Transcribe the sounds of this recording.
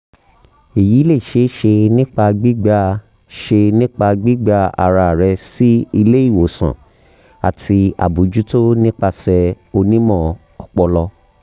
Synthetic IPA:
e˨jiː˨˦le˦˨ʃe˨˦ʃe˧nĩ˦k͡pa˧ɡ͡bi˦ɡ͡ba˧ | ʃe˧nĩ˦k͡pa˧ɡ͡bi˦ɡ͡ba˧a̰˨ɾa˧˨ɾɛ˧si˦i˧le˦i˦˨wo˨sã̰˨ | a̰˨tʰi˧a̰˨bu˨d͡ʒu˦to˦nĩ˦k͡pa˧sɛ˧ | o˧nĩ˦mɔ̃˦˨ | ɔ˨k͡pɔ˧lɔ˧

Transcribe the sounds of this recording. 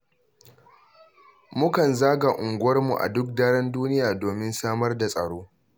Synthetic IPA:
mʊ˦kɐ˨nzaː˦ɡa˨ʔʊ˨ŋɡʷʊ˦wɐ˦rmu˨ʔa̰˨dʊ˦k̚daː˦ɽɐ˦nduː˦nɪ˦jaː˨doː˨mɪ˦nsaː˦mɐ˦rda˨sʼɐ˨ɽoː˦

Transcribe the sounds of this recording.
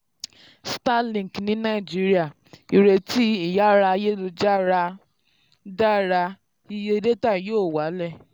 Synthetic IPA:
sta˦lĩ˨knĩ˦nã˦i˨d͡ʒi˦ɾi˦a˦˨ | i˨ɾe˧ti˦i˦˨ja˦ɾa˧je˦lo˧d͡ʒa˦ɾa˧ | da˦ɾa˧ | i˦˧je˧i˧de˦ta˦˨joː˦˨wa˨˦lɛ˦˨

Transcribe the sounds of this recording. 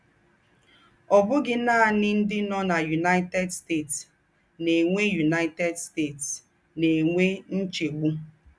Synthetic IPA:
ɔ˨bʊ˦ɡɪ˦naː˦a˨nɪ˦n̩˦dɪ˦nɔ˦na˨ju˨na˦ɪ˦tɛ˦dste˦˨ts | ne˨ŋʷe˦ju˨na˦ɪ˦tɛ˦dste˦˨ts | ne˨ŋʷe˦n̩˦t͡ʃe˨ɡ͡bu˦

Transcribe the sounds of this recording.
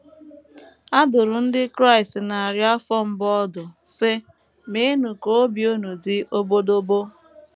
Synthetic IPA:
a˦dʊ˨ɾʊ˨n̩˦dɪ˦kɾa˦˨ɪ˨stna˨a˨ɾja˦fɔ˦m̩˦bɔ˦dʊ˨sɪ˦ | me˦nu˨ko˦bjo˦nu˨dɪ˦ʔo˦bo˦do˦bo˦

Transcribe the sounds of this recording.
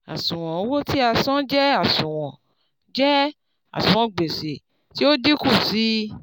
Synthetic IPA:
a̰˨sũ˨w̃ɔ̃˨˧˦wo˦ti˦a˧sɔ̃˦d͡ʒɛ˦a˦˨sũ˨w̃ɔ̃˨ | d͡ʒɛ˦ | a̰˨sũ˨w̃ɔ̃˨ɡ͡be˨se˨ | ti˦o˦di˦ku˦˨si˨˦

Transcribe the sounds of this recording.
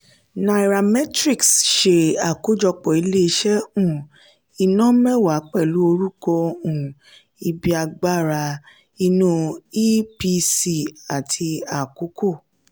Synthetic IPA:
na˨i˨ɾa˨mɛ˦tɾi˦˨ksʃe˨a˨ko˨˦d͡ʒɔ˧k͡pɔ˨i˧le˦i˧ʃɛ˦ũ˦˨ | i˧nɔ̃˦mɛ˦˨wa˨˦k͡pɛ˦˨lu˨˦o˧ɾu˦kɔ˧ũ˨ | i˧bi˧a˧ɡ͡ba˦˨ɾa˧ | i˧nũ˧i˦pi˧si˦˨a˨tʰi˧a˨ku˨˦ko˦˨

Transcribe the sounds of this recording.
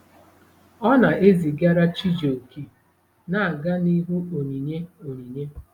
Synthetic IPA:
ɔ˦na˨e˦zi˨ɡa˦ɾa˦t͡ʃi˦d͡ʒo˨kʰi˨ | na˨a˨ɡa˦ni˦ɦu˦o˨ni˨ɲe˦o˨ɲi˨ɲe˦

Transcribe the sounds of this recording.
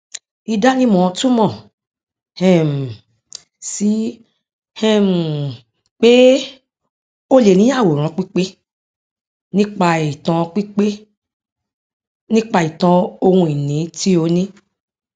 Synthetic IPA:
i˧da˦nĩ˦mɔ̃˨˧tu˦mɔ̃˦˨ | hɛ̃˦m̩˨ | si˨˦ | hɛ̃˦m˨ | k͡pe˦ | o˦le˨nĩ˦a˦˨wo˨ɾ̃ã˨˦k͡pi˦k͡pe˦ | nĩ˦k͡pa˧i˨tã˧k͡pi˦k͡pe˦ | nĩ˦k͡pa˧i˨tã˧o˧hũ˧i˨nĩ˨˦ti˦o˧nĩ˦

